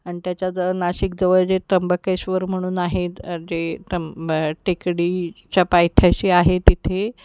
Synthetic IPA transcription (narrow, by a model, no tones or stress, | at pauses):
aɳit̪jat͡ɕad͡zəənaɕik̚d͡zəʋəɭd͡ʑet̪əmbəkeɕʋəɾm̤əɽ̃uːnaɦed͡ʑet̪əmʈekɽiːt͡ɕapajt̪ʰjaɕiːaɦet̪it̪ʰe